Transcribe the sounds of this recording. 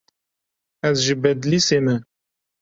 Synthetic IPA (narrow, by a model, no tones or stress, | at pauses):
ɛzʒɨbɛd̪liːseːmɛ